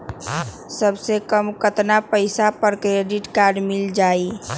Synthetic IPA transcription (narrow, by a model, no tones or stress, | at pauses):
səbsekəmkət̪napəɪsapəɾkɾeɖiʈkaɾɖmɪld͡ʒaːi